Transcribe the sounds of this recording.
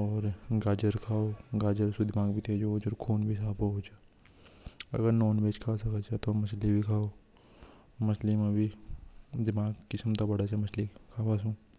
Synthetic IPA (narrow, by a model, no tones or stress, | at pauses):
ɔːɾɡaːd͡ʒəɾkʰaːoɡaːd͡ʒəɾsud̪ɪmaːɡbʱit̪ʰed͡ʒod͡ʒoɾkʰoːnbʱis̬aːpoɦot͡ʃʰa | ɐ̰ɡəɾnoːnbet͡ʃkʰaːsɐkət͡ʃʰat̪omɐslibʱikʰaːo | mɐslimãbʱi | d̪ɪmaːɡkɪsmt̪abɐɽat͡ʃʰɛmɐslikʰaːbas̬ũː